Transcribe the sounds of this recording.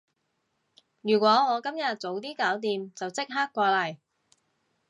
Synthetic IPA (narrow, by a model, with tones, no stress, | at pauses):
jyː˨˩kʷɔː˨˥ŋɔː˨˧kɐ˥mjɐ˨t̚t͡so˨˧wt̪̬iː˥kaː˨˥wt̪iː˨mt͡sɐ˨wt͡sɪ˥k̚ɦaː˥kːʷaː˧lɐ˨˩j